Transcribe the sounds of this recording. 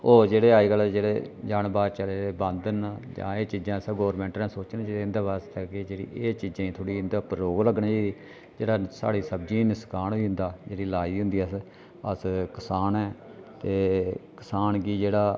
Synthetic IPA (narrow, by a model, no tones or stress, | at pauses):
oːd͡ʒeːɽeːaːiːɡəld͡ʒeːɽeːd͡ʒaːnbaːd̪t͡ʃəleːeːbənd̪nd͡ʒã̰ːeːt͡ʃiːd͡ʒãːsɡoːɾmɛ̃ːɳʈɾɛ̃ːsoːt͡ʃənd͡ʒeeɪnd̪aːbast̪əkkeːd͡ʒeːɽḭːʔeːt͡ʃiːd͡ʒãːĩːt̪ʰoːɽiːɪnd̪aːpɾɾoːɡləɡɳãːd͡ʒeːiː | d͡ʒeːɽaːsa̰ːɽiːsəb̚d͡ʒiːnɪskaːnoːiːɦʊnd̪aːd͡ʒeːɽiːlaːiːɦʊ̃nd̪iːəs | əskɪsaːnɛː | t̪eːkɪsaːnɡiːd͡ʒeːɽaː